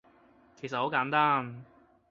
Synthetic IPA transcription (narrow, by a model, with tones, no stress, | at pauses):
kʰe˨˩sɐ˨t̚ho˨˧˥kaː˨˥nt̪aː˥n